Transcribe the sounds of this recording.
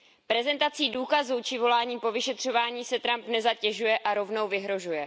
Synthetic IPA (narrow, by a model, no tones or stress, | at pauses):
pɾɛzɛnt̪at͡siːduːkazut͡ʃɪvo̞laːɲiːpo̞vɪʃɛt̪r̝̥o̞vaːɲiːsɛt̪ɾampnɛzacɛʒujɛʔaɾo̞vno̞wvɪɦɾo̞ʒujɛ